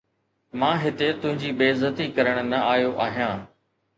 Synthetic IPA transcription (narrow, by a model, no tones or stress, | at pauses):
mãːɦɪt̪et̪ʊ̃ɦɪ̃ɲd͡ʑiːbeːzət̪ikɐɾəɽ̃nɐaːjoʔaːɦijãː